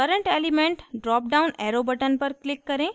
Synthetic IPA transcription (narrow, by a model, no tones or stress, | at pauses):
kəɾəɳʈelimẽɳʈɖɾɔːp̚ɖaʊnɛɾobəʈənpəɾklikːəɾẽ